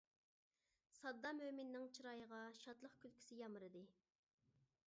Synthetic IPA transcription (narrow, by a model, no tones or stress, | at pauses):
sɑd̪ːɑmømɪnːɪŋt͡ʃʰɨɾɑjəʁɑʃɑt̪lˠəχkʲʰylkʲʰi̥sɪjɑmɨɾɨd̪ɨ